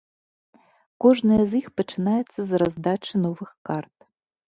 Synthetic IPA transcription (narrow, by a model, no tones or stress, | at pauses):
kɔʐnɐjɐzjixpɐt͡ʂɨnajɛt̪sːɐzrazd̪at͡ʂɨnɔvɨxkart̪̚